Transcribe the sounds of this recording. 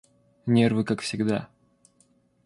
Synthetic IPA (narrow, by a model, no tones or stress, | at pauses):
nʲervɨkakfsʲɪɡd̪a